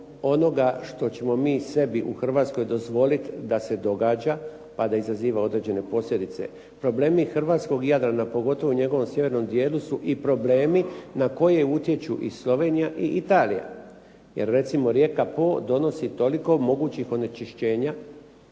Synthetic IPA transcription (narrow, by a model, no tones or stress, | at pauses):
o̞no̞ɡaʃt̪o̞t͡ɕe̞mo̞miːse̞biʔuxr̩ʋaːt̪sko̞jd̪o̞zʋo̞lit̪d̪ase̞d̪o̞ɡaːd͡ʑa | pad̪aizaziːʋao̞d̪ɾe̞d͡ʑe̞ne̞po̞sʎʲed̪it̪se̞̰ | pɾo̞ble̞ːmixr̩ʋaːt̪sko̞ɡjad̪ɾanapo̞ɡo̞t̪o̞ʋouɲe̞ɡo̞ʋo̞msje̞ʋe̞ɾno̞md̪je̞ːlusuʔipɾo̞ble̞ːminako̞je̞ut̪je̞t͡ɕuʔislo̞ʋe̞ːnijaʔiʔit̪aːlḭja̰ | je̞̰ɾːe̞t̪simo̞ɾje̞kapo̞ːd̪o̞no̞sit̪o̞liko̞mo̞ɡuːt͡ɕixo̞net͡ʃiʃt͡ɕe̞ːɲa